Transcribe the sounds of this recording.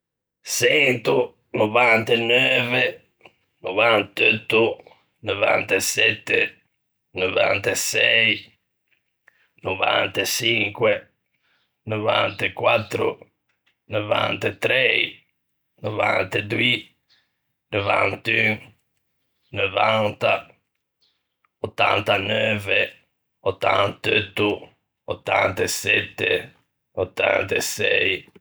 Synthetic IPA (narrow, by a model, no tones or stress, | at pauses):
sɛnt̪u | novant̪enøːve | novant̪øt̪ːu | nova̰nt̪esɛt̪ːe | nova̰nt̪esɛj | nova̰nt̪esiŋkwe | nova̰nt̪ekwat̪ːɾʊ̰ | nova̰nt̪et̪ɾɛj | nova̰nt̪ed̪ui | nova̰nt̪yŋ | novant̪a | ot̪ːa̰nt̪anøːve | ot̪ːant̪øt̪ːu | ot̪ːant̪esɛt̪ːḛ | ot̪ːa̰nt̪esɛj